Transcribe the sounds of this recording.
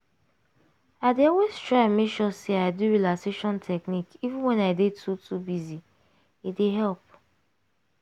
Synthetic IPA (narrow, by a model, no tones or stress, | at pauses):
aɪdeɔweztɹaɪmekʃɔseaɪduɹilakseʃɔ̃ntʰɛknikivɪ̃nwɛ̃naɪdetʰutʰubizi | ideɦɛlp̚